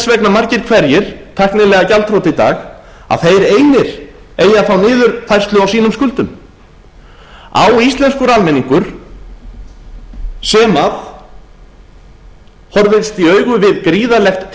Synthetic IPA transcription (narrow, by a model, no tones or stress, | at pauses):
svɛknamaɾcɪɾ̥kʰvɛɾjɪɾ̥t̪ʰahknɪlɛɣacalt̪ʰɾowt̪ɪit̪a̰ːx | a̰ðθejɾeːjnɪɾ̥ | eːjːaθawnɪːðʏɾθajr̥st̪lʏawsiːnʏmskʏlt̪ʏm | a̰wist̪lɛnskʏɾalmɛniŋkʏɾ̥ | sɛːmaθ | hɔɾvɪt̪st̪iœːɥɣʏvɪðkɾiːðalɛxt̪